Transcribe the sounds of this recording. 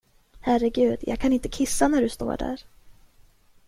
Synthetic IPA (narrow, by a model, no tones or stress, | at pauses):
hærəɡʉ̟ːd̪jɑ̰ːɡ̚kʰanɪnt̪əkʰɪsːanæɖɵst̪o̰ːɖæ̰ːɾ